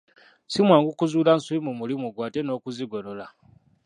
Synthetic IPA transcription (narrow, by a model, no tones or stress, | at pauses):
simwaːŋɡukuzuːlansuimumulimuɡwaːteno̞ːkuziɡoɾola